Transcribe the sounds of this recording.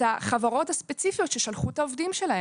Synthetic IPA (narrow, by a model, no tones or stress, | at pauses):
aχavaʁo̞thaspet͡sifijo̞tʃe̞ʃalχutaovdimʃe̞lahe